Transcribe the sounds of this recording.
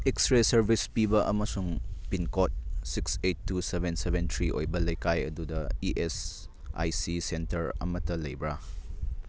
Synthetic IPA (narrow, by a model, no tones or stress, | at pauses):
ekstɾesɐɾbʱispibɐʔɐmɐsuŋpinkot̚siksetːusebʱensebentʰɾiʔo̰jbɐlɐjkajɐ̰dudɐiʔes | a̰jsisentɐɾɐ̰mɐtɐlɐjbɾa